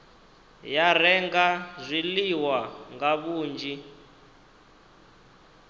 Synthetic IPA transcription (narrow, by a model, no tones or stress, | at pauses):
jarɛŋɡazʷiliwaŋɡaβuːnd͡ʒi